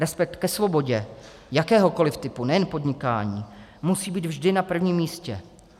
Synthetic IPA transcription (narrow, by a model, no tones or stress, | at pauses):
ɾɛspɛk̚t̪kɛsvo̞bo̞ɟɛ | jakɛːɦo̞ko̞lɪft̪ɪpunɛjɛnpo̞d̪ɲɪka̰ːɲiːmusiːbiːd̪vʒdɪnapr̩vɲimːiːscɛ